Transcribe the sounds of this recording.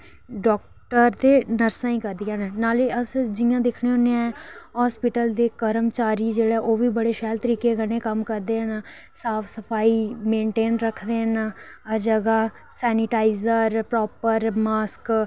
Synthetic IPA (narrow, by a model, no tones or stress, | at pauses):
ɖɔːk̚ | ʈəɾd̪eːnəɾsãːĩːkəɾd̪ɪijaːnɛːnaːleːəsd͡ʒɪjãːd̪ekʰneːɦoneãːɛːɦɔːspɪʈəld̪eːkəɾəmt͡ʃaːɾiːd͡ʒeːɽɛːʔoːʋiːbəɽeːʃɛːlt̪əɾiːkeːɡənẽːkəmkəɾd̪eːɦəna | saːpʰsəpʰaːiːmẽːɳʈeːnɾəkʰd̪eːɦnː | d͡ʒəɡaː | sɛːnɪʈaːizəɾpɾɔːpəɾmaːsk